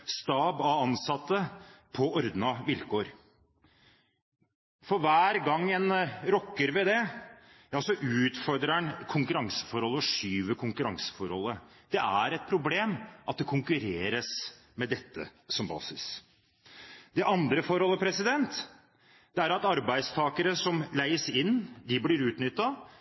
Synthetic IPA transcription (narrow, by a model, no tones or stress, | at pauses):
st̪ɑːbɑɑnsɑt̪ːəpʰɔɔɾd̪nɑʋɪlkʰoːɾ | fɔɾʋæːɾɡɑŋːɛnɾɔkːəɾʋɛd̪ɛ | ɑlsɔʔʉːt̪fɔɾd̪ɾəɳkʰʊŋkʉɾɑŋsə̥fɔɾɔlːəɔʂyːʋəkʰʊŋkʉɾɑŋsə̥fɔɾhɔlːə | d̪̥ɛʔæɾɛt̪̚pʰɾʊbleːmʔɑt̪̚d̪ɛkʰʊŋkʉɾeːɾəs | mɛd̪ɛt̪ːə̰sɔmbɑ̰ːsɪs | d̪ɛʔɑnd̪ɾəfɔɾɔlːəpʰɾɛsɪd̪ɛnt̪ | d̪̥ɛæɾɑt̪ɑɾbæɪd̪st̪ʰɑːkəɾəsɔmlæɪəsɪnːd̪ɪblɪɾʉːt̪nʏt̪ːɑ